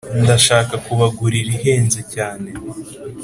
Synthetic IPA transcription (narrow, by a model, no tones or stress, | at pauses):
ndaʃaːkakuβaɡuɾiɾiɦe̞ːnzecaːne̞